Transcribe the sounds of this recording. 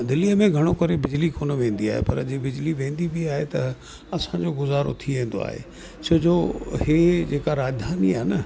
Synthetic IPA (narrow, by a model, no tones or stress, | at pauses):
d̪ɪliəmẽɡʱɐɽ̃okɐɾebɪd͡ʑlikoːnəʋẽːn̆d̪ia̰ːɦḛpɐ̰ɾd͡ʑibɪd͡ʑliʋẽːnd̪ibʱiaːɦet̪ɐ | ɐsãd͡ʑoːɡʊzaːɾo̰t̪ʰiʋẽːn̆d̪o̰a̰ːɦḛ | t͡ɕʰoːd͡ʑoːhed͡ʑeːkaɾaːd͡ʑd̪ʱaːniaːnə